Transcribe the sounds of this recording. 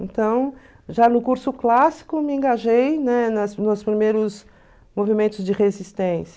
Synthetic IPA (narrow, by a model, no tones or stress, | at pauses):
ẽnt̪ɐ̃w̃ | ʒanʊkuɾsʊklasi̥kʊmɪẽɡaʒejnɛnɐsnʊspɾimejɾʊs | movimẽnt̪ʊzd͡ʒɪʁezist̪ẽsɐ